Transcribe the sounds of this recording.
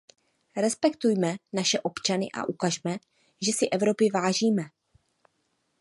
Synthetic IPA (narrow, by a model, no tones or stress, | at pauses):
ɾɛspɛkt̪ujmɛnaʃɛʔo̞pt͡ʃanɪ̰ʔa̰ʔukaʒmɛ | ʒɛsɪʔɛvɾo̞pɪvaːʒiːmɛ